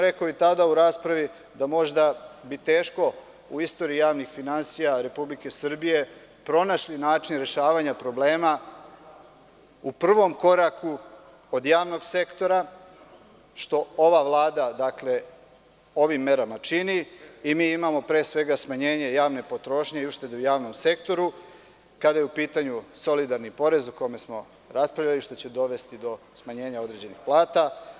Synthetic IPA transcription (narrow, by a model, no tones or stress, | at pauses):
ɾe̞koit̪ad̪auɾaːspɾaʋi | d̪amo̞ʒd̪abit̪e̞ːʃko̞ | uist̪o̞ɾiijaːʋnixfinansijaɾe̞publike̞sr̩bije̞ | pɾo̞naʃlinaːt͡ʃinɾe̞ʃaːʋaɲapɾo̞ble̞ːma | upr̩ʋo̞mko̞ɾaku | od̪jaːʋno̞ɡse̞kt̪o̞ɾa | ʃt̪o̞o̞ʋaʋlˠaːd̪ad̪akle̞ | o̞ʋimːe̞ɾamat͡ʃiniimiːimamo̞pɾeːsʋe̞ɡasmaɲeːɲe̞jaːʋne̞po̞t̪ɾo̞ːʃɲeiuʃt̪e̞d̪eujaːʋno̞mse̞kt̪o̞ɾu | kad̪ajeupiːt̪aɲuso̞lid̪aɾnipo̞ɾe̞zuko̞jme̞smo̞ | ɾaspɾaʋʎaliʃt̪o̞t͡ɕe̞d̪o̞ʋe̞st̪id̪o̞ | smaɲe̞ːɲao̞d̪ɾed͡ʑe̞nixplˠaːt̪a